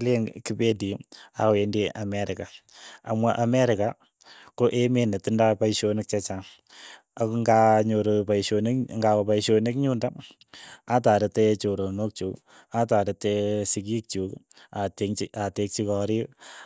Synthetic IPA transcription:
leŋkibediawendeʔamɛɾɪkaamwaʔamɛɾɪka | koʔemenetɪndapaiʃonɪk̚t͡ʃɛt͡ʃa | akŋɡaɲoɾopaiʃonikŋɡawapaiʃonekɲunda | ataɾɪtet͡ʃoɾonok̚t͡ʃuk | ataɾɪtesik̬ik̚t͡ʃuk | ateatek̚t͡ʃikɔɾi

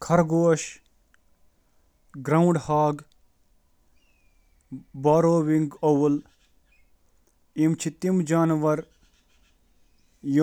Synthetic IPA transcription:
kʰɐɾɡoːʃ | ɡɾɐuɳɖhaːɡ | baːɾoːwiŋɡɐwul | imt͡ʃʰit̪imd͡ʒaːnʋɐɾ | j

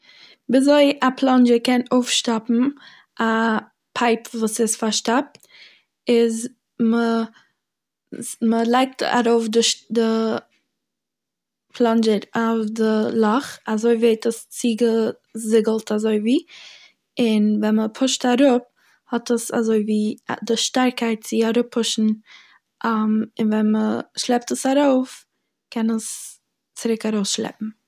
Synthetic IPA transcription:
bizoɪapʰlˠɔnd͡ʒəkʰɛnoʊfʃtapm̩ | ʔa | pʰaɪpvuːsɪsfaɾʃtap̚ | ɪz | mə | məlˠaɪk̚tʰa̰ɾoʊfdədə | pʰlɔnd͡ʒəɾafdəlˠɔχazoɪveɪtəst͡siːɡə | zɪɡəlˠtʰazoɪviː | ɪnvɛnməpʰʊʃtaɾʊp̚ | hɔtəsa̰zoɪviːdəʃtaɾkʰaɪt̚t͡sɪaɾʊpʰːʊʃn̩ | ʔamɪnvɛnməʃlˠɛp̚təsaɾoʊf | kʰɛnəs | t͡sɪɾɪkaɾoʊsʃlɛ̰pm̩

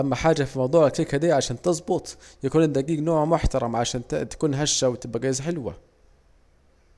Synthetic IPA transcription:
ʔamːaħaːd͡ʒafimɑwd̪ˤuːʕalkikhad̪iːʕaʃæːnt̪ɨzˤbʊt̪ˤjakuːnɪd̪æɡiːɡnoːʕmʊħt̪ɑɾˤɑmʕaʃæːnt̪ḁkuːnɦaʃːawɪt̪ɪbʔæɡæːjzħɪlwa̰

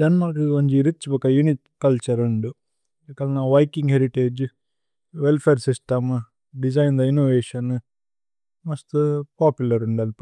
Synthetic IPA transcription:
d̪ɐnmɐɾiɐɲd͡ʒiɾit͡ʃːibɔkɐjunit | kɐlt͡ʃɐɾɐɳɖu | kɐlnaːʋɐjkiŋɡɦeɾiʈeːd͡ʒ | ʋelpʰeːɾsisʈɐm | ɖid͡ʒɐjnd̪ɐinoːʋeːʃɐn | mɐst̪upaːpjulɐɾuɳɖɐl

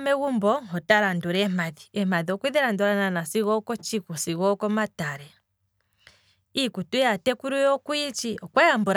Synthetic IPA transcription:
mɛɣumbɔhɔtaɾandɔɾɛmaðiɛmaðiɔkwiðɛɾandɔɾananasiɣɔkɔt͡ʃikusiɣɔkɔmataɾɛ | ikutujatɛkuɾujɔkuit͡ʃiʔɔkwajambɔɾ

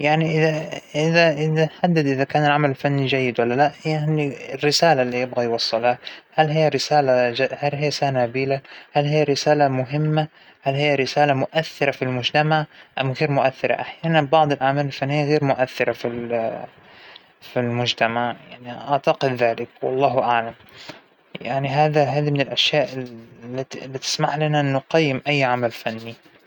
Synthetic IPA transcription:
jaʕniʔɪðaʔɪðaʔɪðaħad̪ːad̪ʔɪðakaːnɪlʕamalɪlfanːid͡ʒajːɪd̪walːalaʔhɪjːaʔandirːɪsaːlalːiːjɪbɣajwɑsˤːɑlahalhɪjːaɾɪsaːlad͡ʒahalhijːasaːnabiːlahalhɪjːaɾɪsaːlamʊɦɪmːa | halhɪjːaɾɪsaːlamʊʔaθːɪɾˤafilmʊd͡ʒt̪amaʕʔamɣeːɾmʊʔaθːɪɾˤa̰ʔaħjaːnanbɑʕd̪ˤɪlʕamaːlɪlfanːɪjːaɣeːɾmʊʔaθːɪɾˤafil | filmʊd͡ʒt̪amaʕjaʕniʔɑʕt̪aqɪd̪ːaːlɪkwwɑ̰lˤːɑːɦʔaʕlam | jaʕniɦaːðaɦaːðimɪnɪlʔaʃjaːʔɪlːailːit̪ɪ̥smaħlanaʔɪnːʊqɑjːɪmʔajːʕamalfanːi

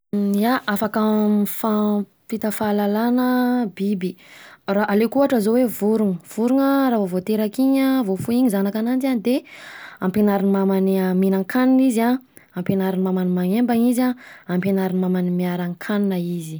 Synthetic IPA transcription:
aʔafakəfa | fit̪afalalanəbibiraʔalekuaʈ͡ʂəzowevuɾuŋəv̥uɾuŋəraːvovot̪eɾakiɲəvofuiɲizanakanand͡ʒianid̪eampenaɾinimamaniminaŋkʰaniniza | ampenaɾinimamanimaŋembaŋizaampenaɾinimamanimiaɾaŋkʰaninəizi

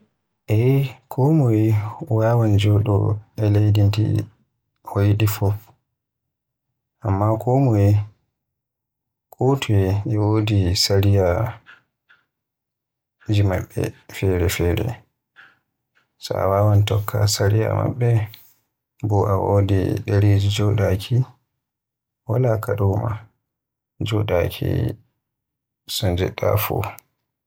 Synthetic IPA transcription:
ʔɛkʰɔmuiwaːwand͡ʒɔɗɔ̰ɛlejdintḭ | hɔjiɗifɔf | ʔamːakʰɔmɔi | kʰʼutʰuɛɛwodisaɾija | d͡ʒima̰ɓːɛ̰fɛɾɛfɛːɾɛ | sɔa̰wawantɔkʰːasaɾija̰ma̰ɓːɛ | bɔʔawodḭɗeɾed͡ʒid͡ʒɔɗakʰi | walakaɗɔma̰ | d͡ʒɔɗakʰi | sɔnd͡ʒɛ̰ɗːafu

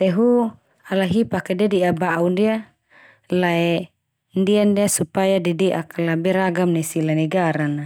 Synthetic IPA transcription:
t̪ɛɦu | alaɦipakedidiabaʔundia | laɛ | ndiandiasupajadidiʔakalabɛɾaɡamnisilanɛɡaɾana

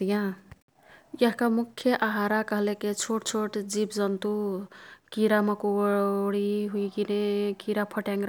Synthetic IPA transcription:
t̪ijã | jaɦkamukʰːjʌʔaɦaɾakʌɦleket͡sʰoʈt͡sʰoʈd͡zibd͡zʌnt̪u | kiɾamʌkoɽiɦujɡinekiɾapʰʌʈãŋɡɾ

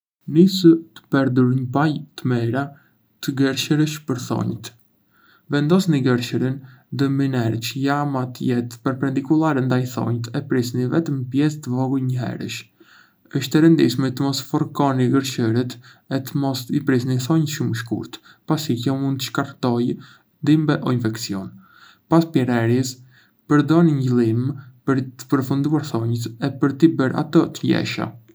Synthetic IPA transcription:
nisət̪ə̥pɛɾd̪uɾɲəpajt̪əmɛɾa | t̪əɡəɾʃəɾəʃpəɾθɔ̰ɲt̪ | vɛnd̪ɔsniɡəɾʃəɾinðəminɛɾt͡ʃəjamat̪əjɛt̪pəɾpɛnd̪ikulˠaɾɛnd̪ajθɔ̰ɲt̪ɛpɾisnivɛt̪əmpjɛst̪əvɔɡujɲəɦɛ̰ɾə̰ʃ | əʃt̪ɛɾənd̪ḭʃmit̪əmɔsfɔɾkɔniɡəɾʃəɾit̪ɛt̪əmɔsipɾis̬niθɔɲt̪ʃuməʃkṵɾt̪ | pasikjɔmund̪t̪əʃkaɾt̪ɔj | nd̪imbɛʔɔinfɛksiɔn | paspɛɾɛɾis | pəɾd̪ɔniɲɟəlˠimpəɾt̪ə̥pəɾfund̪uaɾθɔɲət̪ɛpəɾt̪ibəɾʔa̰t̪ɔt̪əjɛ̰ʃa̰

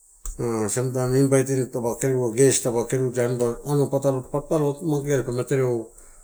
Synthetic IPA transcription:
asemtamimbajtintabakeɾaɡestabakeɾid͡ʒanbaanopatalopap̚talotmaɡeaspameteɾeo

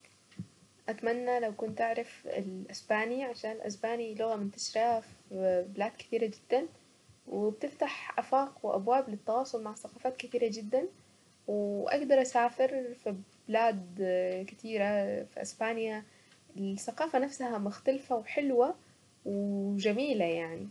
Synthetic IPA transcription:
ʔat̪manːalawkʊnt̪ʔaʕɾˤɪfɪ̰lʔɪsbaːniʕaʃaːnɪlʔa̰sbaːnilʊɣamɪnt̪ḁʃɾafbɪlaːd̪kɪ̥t̪iːɾad͡ʒɪd̪̥ːan | wɪbt̪ɪft̪aħʔafaːqwʔa̰bwaːblɪt̪ːɑwɑːsˤʊlmaʕθaqɑːfaːt̪kɪt̪iːɾad͡ʒɪd̪ːan | wɪʔa̰ɡd̪ɑɾˤʔasaːfɪɾfib̥ɪlaːd̪kɪt̪ʰiːɾafḭʔɪ̰sbaːnja | ɪsaqɑːfanafsahamʊxt̪alfawħɪlwa | wd͡ʒamiːlajaʕni

